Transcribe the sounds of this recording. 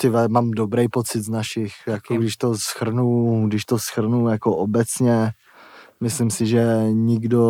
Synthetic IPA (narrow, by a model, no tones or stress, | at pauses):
t̪ɪvɛmamdobɾɛjpot͡sɪd̪znaʃɪxjakoɡdɪʃt̪osxr̩nuɡdɪʃt̪osxr̩nuːjakoʔobɛt͡sɲɛ | mɪslɪmsɪʒɛɲɪɡdo